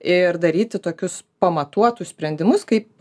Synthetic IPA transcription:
ɪrd̪ɐɾʲiːt̪ʲɪt̪oːkʲʊspɐmɐt̪uɔt̪ʊssʲpʲɾʲɛnʲd̪ʲɪmʊskɐɪp̚

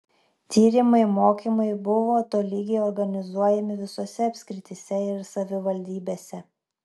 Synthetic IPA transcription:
t̪ʲiːɾʲɪmɐɪmoːkʲimɐɪbʊʋoːt̪oːlʲiːɡʲɛɪɔɾɡɐnʲɪzuɔjɛmʲɪʋʲɪsoːsʲɛɐpʲsʲkʲɾʲɪt̪ʲisʲɛɪɾsɐʋʲɪʋɐlʲd̪ʲiːbʲeːsʲɛ

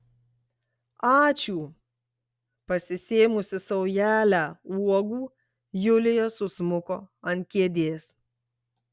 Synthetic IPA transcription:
ɑːt͡ʃʲuː | pɐsʲɪsʲeːmʊsʲɪsɔʊjæːlʲæːuɔɡuː | jʊlʲɪjoːsʊsmʊkoːɐnʲt̪̚ʲkʲeɛd̪ʲeːs

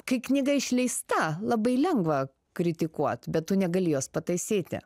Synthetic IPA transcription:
kɐɪknʲɪɡɐɪʃʲlʲɛɪst̪ɐlˠɐbɐɪlʲɛŋɡʋɐ | kɾʲɪt̪ʲɪkuɔt̪bʲɛt̪tʊnʲɛɡɐlʲiːjoːspɐt̪ɐɪsʲeːt̪ʲɪ̰

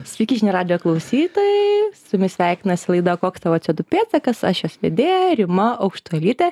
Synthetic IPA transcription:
sʲʋʲikʲɪʒʲnʲɪɾɑːd̪ʲɪjoːklˠɐʊsʲiːt̪oːjɛsʊmʲɪsʲʋʲæˑɪk̪ʲɪnɐsʲɪlˠɐɪd̪oːkoːkst̪ɐʋɐt͡ʃʲɛd̪ʊpʲeːt̪sɐkɐsɐʃjoːsʋʲḛd̪ʲeːjɛɾʲɪmɐɐʊkʃt̪ʊɛlʲiːt̪ʲɛ

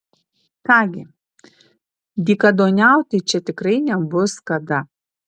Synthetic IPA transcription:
kɑːɡʲɪ | d̪ʲiːkɐd̪oːnʲæˑʊt̪ʲɪt͡ʃʲɛt̪ʲɪkɾɐɪnʲɛbʊskɐd̪ɐ

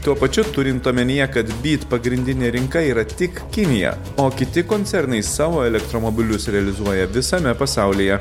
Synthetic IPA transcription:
t̪uɔpɐt͡ʃʲʊt̪ʊɾʲɪnt̪oːmʲɛnʲijɛkɐt̪bʲiːt̪pɐɡɾʲɪnʲd̪ʲɪnʲeːɾʲɪŋkɐiːɾɐt̪ʲɪkkʲɪnʲɪjɛ̰ | oːkʲɪt̪ʲɪkoːnʲt̪ʲɛɾnɐɪsɑːʋoːɛlʲɛkt̪ɾoːmoːbʲɪlʲʊsɾʲɛɐlʲɪzuɔjɛʋʲɪsɐmʲɛpɐsɑˑʊlʲijɛ

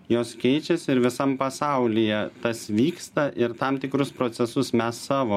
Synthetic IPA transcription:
joːskʲɛɪt͡ʃʲɛsɪɾʋʲɪsɐmpɐsɑʊlʲijɛt̪ɐsʋʲiːkst̪ɐʔɪɾt̪ɐmt̪ʲɪkɾʊspɾoːt̪sʲɛsʊsmʲɛsːɑːʋoː

